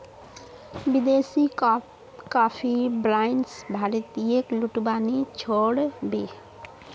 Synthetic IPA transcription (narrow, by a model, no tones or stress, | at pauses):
bid̪esi | kapʰibɾaɪnsbʱaɾt̪iekluʈbanit͡ʃʰoɽbe